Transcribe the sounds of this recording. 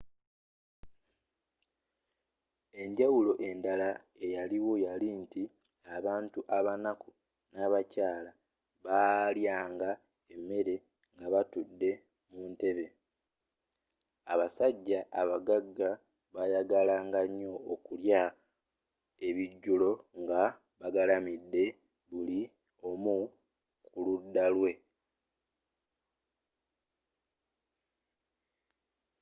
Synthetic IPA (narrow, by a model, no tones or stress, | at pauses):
e̞ɲɟawulo̞ʔe̞ndala | e̞jaliwo̞jalinti | aβaːntuʔaβanaku | naβacaːla | βaljaːŋɡa | emːe̞ɾe̞ | ŋɡaβatudːe̞ | munte̞βe̞ | aβasaɟːaʔaβaɡaɡːa | βajaɡalaːŋɡaɲːo̞ːkulja | e̞βiɟːulo̞ŋɡa | βaɡalamidːe̞ | βuli | o̞mu | kuludːalwe̞